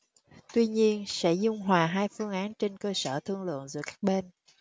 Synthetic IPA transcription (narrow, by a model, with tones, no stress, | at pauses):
t̪wi˧ɲi˧ənsɛ̰˧˥zʊ˧ŋ͡mɦwaː˨˩ɦaː˧jfɨ˧əŋʔaː˨˦nt͡ɕe˧nkəː˧səː˧˩t̪ʰɨ˧əŋlɨ̰˧˨ənzɨ˧˩əkaː˦˥k̚ɓe˧n